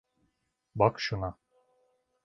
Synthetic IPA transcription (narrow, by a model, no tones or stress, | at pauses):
bɑkʃunɑ